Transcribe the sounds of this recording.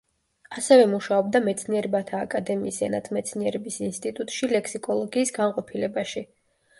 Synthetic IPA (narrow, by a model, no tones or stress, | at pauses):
asɛvɛmuʃaɔbd̪amɛt̪sʰniɛɾɛbat̪ʰaːkʼad̪ɛmiːsɛnat̪ʰmɛt̪sʰniɛɾɛbisinst̪ʼit̪ʼut̪ʼʃilɛkʰsikʼɔlˠɔɡiːsɡanqʼɔpʰilɛbaʃi